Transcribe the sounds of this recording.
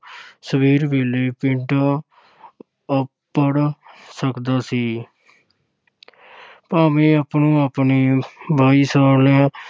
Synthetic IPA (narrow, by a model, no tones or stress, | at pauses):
səbʱiːɾbʱileːpɪ̃ɳʈː | əpː | əɽsəkd̪aːsiː | paːmĩːəpnũːəpnibʱaːisəːɾlẽː